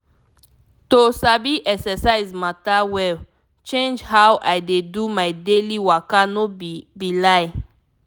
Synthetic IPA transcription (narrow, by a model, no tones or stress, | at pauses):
tosabiʔɛksɛsaɪzmatawɛl | t͡ʃẽnd͡ʒɦawʔajdedumajdeliwakanobilaɪ